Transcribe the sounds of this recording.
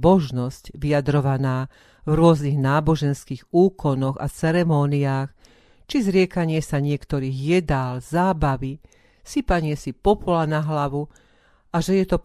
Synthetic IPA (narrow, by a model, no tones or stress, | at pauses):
mɔʒnɔscʋijad̪ɾɔʋanaː | vɾʊɔzniɣnaːbɔʒɛnskiːɣuːkɔnɔɣa̰t͡sɛɾɛmɔːniaːx | t͡ʃizɾɪɛkaɲɪɛsaɲɪɛkt̪ɔɾiːɣjɛd̪aːlzaːbaʋi | sipaɲɪɛsipɔpɔlanaɦlaʋu | ʔaʒɛjɛt̪ɔ